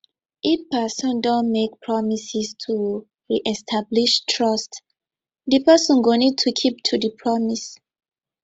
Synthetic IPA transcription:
ʔipɛsɔ̃ndɔ̃nmek̚pʰɹɔmisistʰu | ɹiʔɛstʰabliʃtʰɹɔst | dipɛsɔ̃nɡonid̚tʰukʰip̚tʰudipʰɹɔmis

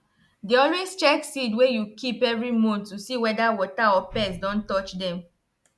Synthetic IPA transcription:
deɔ̃lwest͡ʃɛksidwejukʰipɛvɹimũntusiwɛdawɔtaɔpɛs̬dɔ̃ntɔt͡ʃdɛ̃m

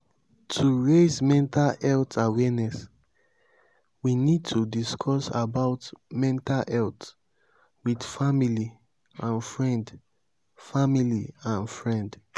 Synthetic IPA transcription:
tʰuɹezmɛ̃ntalɛltawɛnɛs | winid̚tʰudiskʰɔsabaʊtmɛ̃ntalʔɛlt | widfamili | ãnfɹɛ̃nd | familiãnfɹɛ̃nd

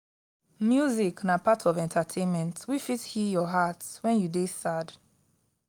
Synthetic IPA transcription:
mjuziknapatʰɔvɛ̃ntʰatʰẽnmɛ̃ntwifithijɔɦatwɛ̃njudesad

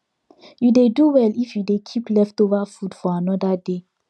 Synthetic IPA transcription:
judeduwɛlifjudekʰiplɛftovafudfɔanɔdade

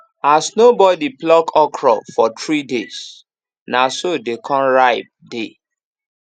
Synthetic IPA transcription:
asnobɔdiplɔkʰɔkʰɹɔfɔtɹides | nasodekʰɔ̃nɹaɪb̚de

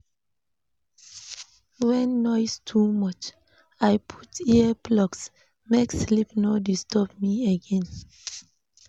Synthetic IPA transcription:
wɛ̃nːɔjstʰumʌt͡ʃ | ajpʰu̥tiəblɔks | mekslipnɔdistɔp̚miəɡɛ̃n

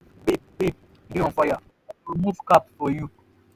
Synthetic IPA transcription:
bibip̚ | diɔ̃faja | imuvkapfɔju

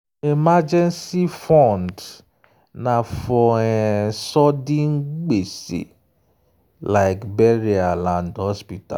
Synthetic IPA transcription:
emad͡ʒɛ̃nsifɔ̃nd | nãfɔɛsɔdĩŋ̩ɡ͡besḛ | laɪkbɛɾialãndhɔspita̰

